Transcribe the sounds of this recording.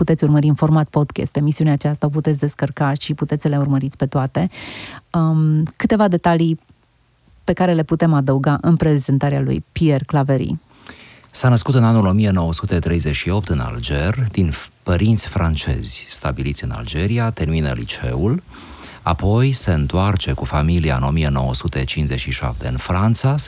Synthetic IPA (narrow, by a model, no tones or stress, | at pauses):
put̪e̞t̪sʲurməɾiɨnfo̞rmat̪̚po̞d̪kʲḛst̪e̞misiuneaːt͡ʃast̪aop̬ut̪et̪sʲd̪e̞skərkaʃiput̪et̪sʲsəleurməɾit̪sʲpe̞t̪oat̪e̞ | kɨt̪e̞vad̪e̞t̪ali | pe̞kaɾe̞le̞put̪e̞mad̪əuɡaʔɨnpɾe̞zent̪aɾea̰lṵjpie̞rklave̞ɾḭ | sanəskut̪ɨnanulo̞mije̞no̞wəsut̪e̞t̪ɾe̞jze̞ʃio̞p̚t̪ɨna̰ld͡ʒe̞rʲd̪inpəɾint̪sʲfɾant͡ʃe̞̰z̥ʲst̪a̰bilit̪sʲɨna̰ld͡ʒe̞ɾiat̪e̞rminə̰lḭt͡ʃe̞̰ul | a̰po̞jse̞ɨnt̪oart͡ʃe̞kufamilia̰ɨ̰no̞mije̞no̞̰wəsut̪e̞t͡ʃinze̞t͡ʃʃiʃa̰p̚t̪e̞ɨnfɾant̪sa